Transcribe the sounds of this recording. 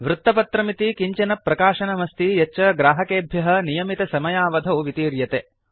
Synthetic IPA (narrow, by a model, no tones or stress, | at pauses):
ʋɾut̪ːɐpɐt̪ɾɐmit̪ikiɲt͡ʃɐnɐpːɾɐkaːʃɐnɐmɐst̪ijɐt͡ʃːɐɡɾaːɦɐkeːbʱjɐɦɐ̆nijɐmit̪ɐsɐmɐjaːʋɐd̪ʱɐuʋit̪iːɾjɐt̪e